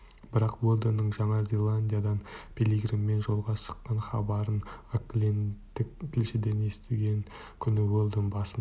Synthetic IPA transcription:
b̥ɪɾɑqwolˠd̪ənːəɴʒɑɴɑzʲelˠanʲdʲijad̪ɑnpʰʲeliɡɾɪmːe̞nʒo̞lˠʁɑʃə̥qːɑɴχɑbɑɾənoklʲent̪ɪk̚t̪ʲʰɪlʃɪd̪e̞ne̞st̪ɪɡʲe̞ŋ | kʲʰʏnɪwolˠd̪ənbɑsən

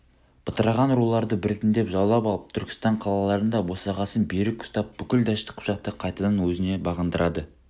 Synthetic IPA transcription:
b̥ət̪əɾɑʁɑnɾulˠɑɾd̪əbɪɾɪt̪ɪnd̪e̞pʒɑwˠlˠɑpɑlˠəp̚t̪ʰʏɾkʲɪ̥st̪ɑɴqʰɑlˠɑlˠɑɾənd̪ɑbo̞sɑʁɑsənbe̞ɾɪkʊ̥st̪ɑp̚b̥ʏkʲɪld̪ɑʃt̪ə̥qʰpʒɑq̚t̪əqʰɑjt̪ɑd̪ɑnwɵzɪne̞bɑʁənd̪əɾʔɑd̪ə

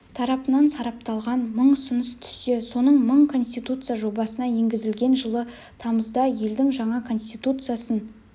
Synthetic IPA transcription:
t̪ʰɑɾɑpənɑnsɑɾɑp̚t̪ɑlˠʁɑnməɴʊsənəst̪ʰʏ̥st̪eso̞nəɴməɴkʰo̞nsʲt̪ijt̪ut̪sɨjaʒo̞bɑsənɑje̞ŋɡʲɪzɪlɡʲe̞nʒəlˠə | t̪ʰɑməzd̪ɑje̞ld̪ɪŋʒɑɴɑkʰo̞nsʲt̪it̪ut̪sɨjasən

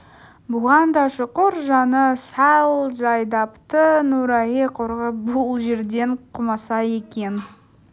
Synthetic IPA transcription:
bʊʁɑnd̪ɑʃʊqʊɾʒɑnəsɑwlˠʒɑjd̪ɑpt̪ənuɾɑjeqʰoɾʁəbʊlˠʒe̞ɾd̪e̞ɴqʰʊmɑsɑje̞kʲe̞n

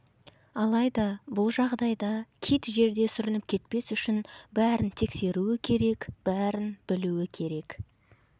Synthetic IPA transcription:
ɑlˠɑjd̪ɑbʊlˠʒɑʁd̪ɑjd̪ɑkʲʰijt̪ʒe̞ɾd̪e̞sʏɾɪnɪp̚kʲʰe̞t̪pe̞sʏʃɪnbæɾɪnt̪ʰe̞kse̞ɾuɪkʲʰe̞ɾe̞kb̥æɾɪnb̥ɪluɪkʲʰe̞ɾe̞k

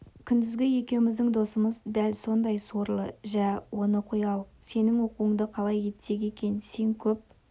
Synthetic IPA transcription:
kʲʰʏnd̪ɪzɡʲɪje̞kʲe̞wɪmɪzd̪ɪŋd̪o̞səməzd̪ælso̞nd̪ɑjso̞ɾlˠə̰ʒæwo̞nəqʰujɑlˠəqse̞nɪŋwo̞quwəŋd̪əqʰɑlˠɑje̞t̪se̞ɡʲe̞kʲe̞nse̞ŋkʲʰɵp̚

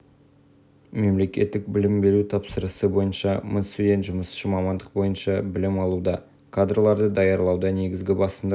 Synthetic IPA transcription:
me̞mle̞kʲe̞t̪ːɪk̚bɪlɪmbe̞ɾut̪ʰɑpsəɾəsəbo̞jənʃɑmənst̪ud̪ʲe̞nt̪ʒʊməsʃəmɑmɑnd̪əq̚bo̞jənʃɑbɪlɪmɑlˠud̪ɑ | kʰad̪ɾlˠɑɾd̪əd̪ɑjɑɾlˠɑwd̪ɑne̞ɡʲɪzɡʲɪbɑsəmd̪

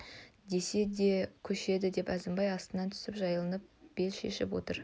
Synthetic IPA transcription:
d̪e̞se̞d̪e̞kʲʰɵʃe̞d̪ɪd̪e̞pæzɪmbɑjɑst̪ənɑnt̪ʰʏ̥sɪpʒɑjəlˠənəp̚b̥e̞lʃe̞̰ʃɪ̰pwo̞̰t̪əɾ

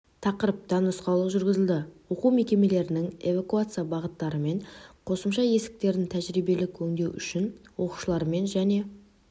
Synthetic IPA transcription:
t̪ʰɑqəɾəp̚t̪ɑnəsqɑlˠəʒʏɾɡʲɪzɪld̪ɪwo̞qume̞kʲe̞me̞le̞ɾɪnɪŋe̞vakuat̪sɨjabɑʁət̪ːɑɾəme̞ɴqʰo̞səmʃɑje̞sɪ̥k̚t̪e̞ɾd̪ɪnt̪ʰæʒɾijbe̞lɪkʲʰɵŋd̪ewʏ̰ʃɪnwo̞qu̥ʃəlˠɑɾəme̞nʒæne̞

